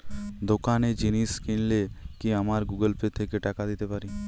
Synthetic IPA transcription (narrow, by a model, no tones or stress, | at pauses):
d̪okaned͡ʒiniskiɳlekiamaɾɡuɡəlpet̪ʰekeʈakad̪it̪epaɾi